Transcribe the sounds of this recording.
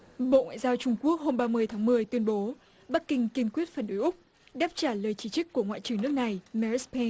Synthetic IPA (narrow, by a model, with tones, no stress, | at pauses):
ɓo̰˧˨ŋwa̰˧˨jzaː˧wt͡ɕʊ˧ŋ͡mku˦˥ək̚ho˧mɓaː˧mɨ˧əjt̪ʰaː˨˦ŋmɨ˨˩əjt̪wi˧ənɓo˨˦ | ɓa˦˥k̚kːï˧ŋ̟ki˧ənkwi˦˥ət̚fə˨˩nɗo˨˦jʔʊ˦˥k͡p̚ | ɗaː˦˥p̚t͡ɕaː˧˩ləː˨˩jt͡ɕi˨˦t͡ɕɨ˦˥k̚ʲkːu˧˩əŋwa̰ː˧˨t͡ɕɨ˨˧˩əŋnɨ˦˥ək̚na˨˩jmɛ˧˩˦spʰe˧n